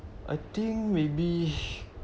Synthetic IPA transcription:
ʔa̰t̪ĩŋmebi

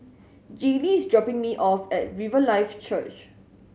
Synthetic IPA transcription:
d͡ʒeliːsdɹɔpɪ̃ŋmiʔɔfɛt̚ɹivəlaɪft͡ʃət͡ʃ

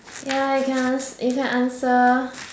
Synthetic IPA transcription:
jaikʰɛ̃nãnsikɛ̃nʔãnsə

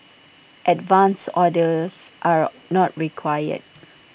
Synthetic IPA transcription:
ʔɛtvãnsɔdəsʔaɹ | nɔt̚ɹikʰwajə̰d̚

